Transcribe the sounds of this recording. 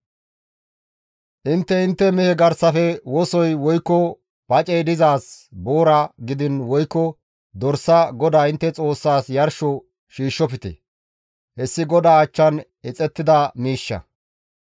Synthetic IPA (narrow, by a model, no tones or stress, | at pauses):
ʔɪnt̪ːɛɪnt̪ːɛmɛhɛɡɐɾsɐfɛwɔsɔjwɔjkːɔ | b̥ɐt͡ʃʼejd̪ɪzaːsboːɾɐɡɪd̪ɪnwɔjkːɔ | d̪ɔɾsːɐɡɔd̪aːɪnt̪ːɛt͡sʼo̞ːsːaːsjɐɾʃɔ | ʃiːʃːɔpɪt̪ɛ̰ | hɛsːɪɡɔd̪aːt͡ʃːɐn | ɪt͡sʼɛt̪ːɪd̪ɐmiːʃːɐ̰